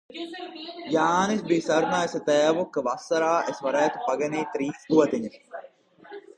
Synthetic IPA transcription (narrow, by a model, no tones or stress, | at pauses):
jaːnisbisɐɾnaːesɐt̪ɛːʋokːʋɐsːɐɾaːʔesʋɐɾaːt̪upɐɡeneːt̪ɾiːsɡuʋɐt̪eɲe̥